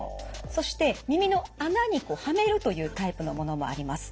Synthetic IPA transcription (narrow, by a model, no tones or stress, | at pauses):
so̞ɕi̥t̪e̞mʲimʲino̞anaɲ̟iko̞hame̞ɾɯ̟t̪o̞jɯ̟ːt̪aipɯ̟no̞mo̞no̞mo̞̰a̰ɾʲimasɨ̥